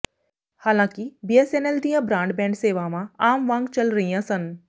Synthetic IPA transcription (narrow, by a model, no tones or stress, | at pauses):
haːlãːkibieseneld̪ĩːãbɾãːɳɖbɛ̃ːɳɖseːʋaʋãaːmʋãːŋɡt͡ʃɐlɾɐɦĩɦãsən